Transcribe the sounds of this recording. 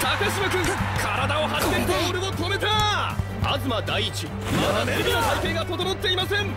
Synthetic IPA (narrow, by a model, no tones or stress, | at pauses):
t̪akaɕimokɯ̟̃ŋkʰaɾad̪ao̞ɦaɕit̪et̪eoɾemo̞t̪o̞me̞t̪a | a̰zɨmad̪aiːt͡ɕi | mmat̪aneɾiɡ̪ɯoajkẽ̞ŋɡat̪o̞d̪onot̪ːe̞imasẽ̞ŋ